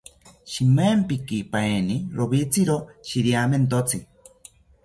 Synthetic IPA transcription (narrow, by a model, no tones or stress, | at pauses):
ʃimempikipaeniɾoβit͡sʰiɾoʃiɾjament̪̬ot͡sʰi